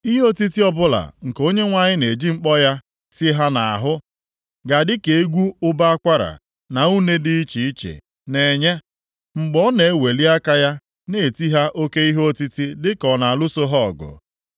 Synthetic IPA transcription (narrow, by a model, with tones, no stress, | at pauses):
i˦ɦo˦ti˦ti˦ɔ˦bʊ˦la̰˨ŋ̩˨ko˦ɲe˦ŋʷa˦ɲɪ˦ne˨d͡ʒi˦ŋ͡m̩˦k͡pɔ˦ja˦ | ti˦ɦa˦na˨a˨ɦʊ˦ | ɡa˨dɪ˦ke˨˦ɡʷu˦ʊ˦ba˦a˦kʷa˦ɾa̰˨ | na˨u˦ne˦dɪ˦i˦t͡ʃi˨i˦t͡ʃḛ˨ | ne˨ɲe˦ | ŋ͡m̩˨ɡ͡bɔ˦ne˨e˦we˨li˦a˦ka˦ja˦ | ne˨e˨ti˦ɦa˦ʔo˦ke˦i˦ɦo˦ti˦ti˦dɪ˦kɔ˨na˨lʊ˦so˦ɦɔ˦˨ɡʊ̰˨